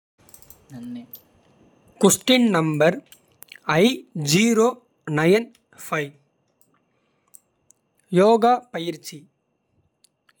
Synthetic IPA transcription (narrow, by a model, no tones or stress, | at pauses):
kʊsʈɪnnɐmbɐɾ | ɐɪd͡ʒiːɾoː | nɐjɐn | fɐɪ | joːɡaːpɐjɪɾt͡ʃi